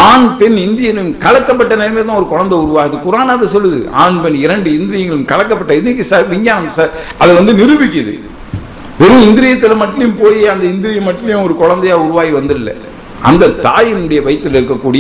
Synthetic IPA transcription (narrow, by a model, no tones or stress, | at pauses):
aːnpɛnɪnd̪ɪjɐnɯmkɐɻɐkːɐp̬ːɐʈːɐneːɾmeːt̪̬ːãːɔɾɯkɔɻɐnd̪ɐʊɾɯʋaːɣɐðɯkʊɾaːnaːɐðɐsɔlːɯðɯ̰aːnpɛnɪɾɐɳɖɯɪnd̪ɪɾɪjɐŋɡɐɭɯmkɐɭɐkːɐpːɐʈːɐɪðɪɪk̬ːisɐʋɪɲɡaːnɐmsɐɐðɐʋɐnd̪ɯnɪɾɯʋɪk̬ʲːɪðɯ̰ | ʋɛɾɯɪnd̪ɪɾɪjɐt̪ːɪlɐmɐʈːɐjʊ̃mpoːjiɐnd̪ɐɪnd̪ɪɾɪjɐmɐʈːrɐjʊ̃ɔɾɯkɔɻɐnd̪ɐjaːʊɾʊʋaːɣiʋɐnd̪ɯɪlːɐ̰ | ɐ̰nd̪ɐt̪aːjɪnʊɽɐjɐʋɐjt̪ːɯlɪɾɯkːɐkːuːɽɪj